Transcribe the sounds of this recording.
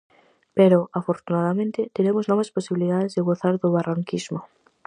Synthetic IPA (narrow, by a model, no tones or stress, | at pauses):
peɾoʔafoɾt̪unaðamẽnt̪ɪt̪eɾemoznɔβasposiβiliðaðezðeɣoθaɾðoβaraŋkizmo